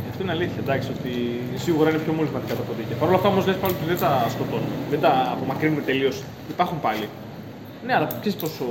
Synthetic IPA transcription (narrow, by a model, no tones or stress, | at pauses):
ɐft̪o̞ine̞ɐliθçɐd̪ɐksio̞t̪i | siɣuɾɐinepço̞molivmɐt̪ikɐt̪ɐpo̞ðiceɐpɐɾo̞lɐft̪ɐo̞mo̞zlespɐoliot̪iðed̪ɐsko̞t̪o̞nume̞ðed̪ɐːpo̞mɐkɾinume̞t̪e̞lio̞s | ipɐɾxumpɐli | ne̞ɐlɐpsesi̥po̞s